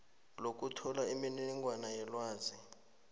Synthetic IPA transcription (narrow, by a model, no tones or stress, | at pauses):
lok̬ʼutʰɔlaiminiiŋɡwanajɛlwaːzi